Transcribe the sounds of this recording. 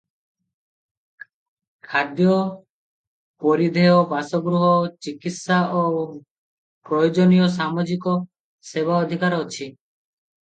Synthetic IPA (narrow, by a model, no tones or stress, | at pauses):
kʰad̪jo | poɾid̪ʱeobasoɡɾuɦot͡ɕikit̪ʃaʔo | pɾojod͡ʑonijoʃ̬amod͡ʑiko | sebʱaod̪ʱikaɾot͡ɕʰi